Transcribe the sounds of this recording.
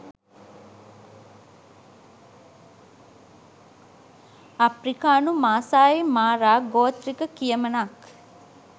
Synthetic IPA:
apɾikaːnumaːsaːemaːɾaːɡoːt̪ɾikəkijəmənak

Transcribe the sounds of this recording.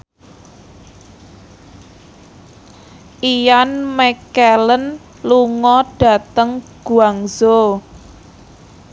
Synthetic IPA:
ʔijanmɛkɛlən | luŋɔɖ̥a̤t̪əŋɡ̥uaŋzo

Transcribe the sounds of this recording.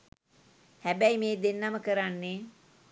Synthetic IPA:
hæbæjmeːd̪enːaməkəɾanːe

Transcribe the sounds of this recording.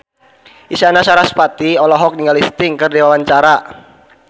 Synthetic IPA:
ʔisianasaɾaspat̪iɔlɔɦɔk̚niŋɡalist̪ɪŋkərdiwawaɲt͡ʃaɾa

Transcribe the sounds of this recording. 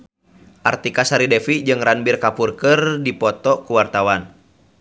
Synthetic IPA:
ʔa̰rt̪ikasaɾidɛfid͡ʒɨŋranbirkapurkɨrdipɔt̪ɔkuwart̪awan

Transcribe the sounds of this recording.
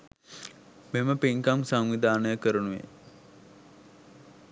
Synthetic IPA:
meməpiŋkamsaŋʋid̪ʱaːnəjəkəɾənuʋḛ

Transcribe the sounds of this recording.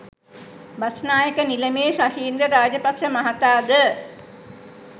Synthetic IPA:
basnaːjəkəniləmeːsaʃiːnd̪ɾəɾaːd͡ʒəpakʃəmaɦat̪aːd̪ə

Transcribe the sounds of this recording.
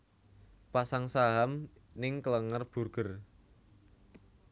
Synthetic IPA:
pasaŋsaɦamnɪŋkələŋərb̥ṳrɡ̥ər

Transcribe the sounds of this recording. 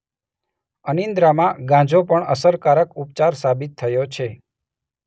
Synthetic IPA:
ənind̪ɾamãɡãd͡ʒopəɳəsəɾkaɾəkup̚t͡ʃaɾsabit̪ʰːəjot͡ʃʰe

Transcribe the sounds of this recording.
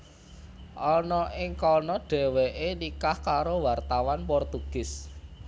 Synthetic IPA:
ʔɔnɔʔɪŋkɔnɔɖ̥ɛ̤weʔenikahkaɾowart̪awanpɔrt̪uɡ̥ɪs

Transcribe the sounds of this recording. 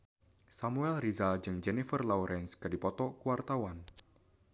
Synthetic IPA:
samuɛlrizad͡ʒɨŋd͡ʒɛnifərlauɾʔɛnskɨrdipɔt̪ɔkuwart̪awan

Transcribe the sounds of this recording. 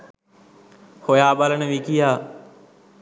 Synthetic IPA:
hojaːbaːlənəʋiːkijaː

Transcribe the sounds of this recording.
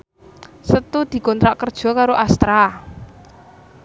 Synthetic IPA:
sət̪ud̪̥i̤kɔnt̪ɾaʔkərd̥ʒ̥ɔ̤kaɾoʔast̪ɾa

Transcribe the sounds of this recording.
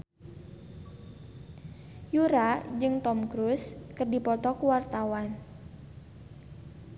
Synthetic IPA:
juɾad͡ʒɨŋt̪ɔmkɾuskɨrdipɔt̪ɔkuwart̪awan

